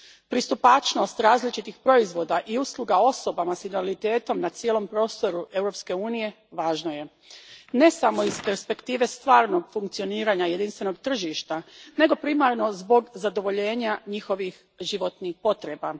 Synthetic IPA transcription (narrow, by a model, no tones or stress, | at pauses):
pɾist̪upat͡ʃno̞st̪ɾaːzlit͡ʃit̪ixpɾo̞izʋo̞d̪aʔiuslˠuɡao̞so̞bamasinalit̪e̞ːt̪o̞mnat̪sijelo̞mpɾo̞ːst̪o̞ɾue̞wɾo̞pske̞uːnije̞ | ʋaːʒno̞je̞ | ne̞samo̞izpe̞ɾspe̞kt̪iːʋe̞st̪ʋaːɾno̞ɡfuŋkt̪sio̞niːɾaːɲaje̞d̪inst̪ʋe̞no̞ɡt̪r̩ʒiʃt̪ane̞ɡo̞pɾimaɾno̞zbo̞ɡzad̪o̞ʋo̞ʎe̞ːɲaɲixo̞ʋix | ʒiʋo̞t̪nixpo̞t̪ɾe̞ba